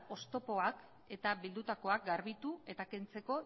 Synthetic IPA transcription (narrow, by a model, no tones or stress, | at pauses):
o̞st̪o̞po̞ak | e̞t̪aβild̪ut̪ako̞ak̚ɡaɾβit̪ue̞t̪ake̞nt͡se̞ko̞